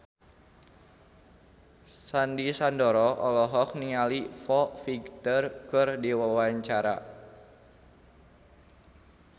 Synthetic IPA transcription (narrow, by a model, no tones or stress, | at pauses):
sandisandɔɾɔɔlɔɦɔk̚niŋalifɔfiɡt̪ərkɨrdiwawaɲt͡ʃaɾa̰